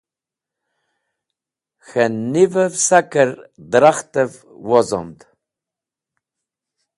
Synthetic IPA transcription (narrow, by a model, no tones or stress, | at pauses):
xənːivəvsakəɾd̪ɾaχt̪əv | wɔzɔ̰md̪